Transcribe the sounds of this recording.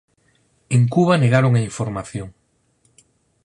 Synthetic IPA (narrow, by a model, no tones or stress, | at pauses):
eŋkuβaneɣaɾoŋaiɱfoɾmaθjoŋ